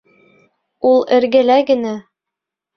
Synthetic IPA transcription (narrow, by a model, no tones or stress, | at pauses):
ulˠɘ̆ɾɡɘ̆læɡɘ̆næ